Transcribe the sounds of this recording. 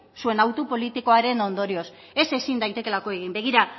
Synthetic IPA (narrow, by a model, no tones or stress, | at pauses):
sue̞nawt̪upo̞lit̪iko̞aɾe̞no̞nd̪o̞ɾio̞s | e̞se̞sind̪ajt̪e̞ke̞lako̞eɣimbeɣ̞iɾa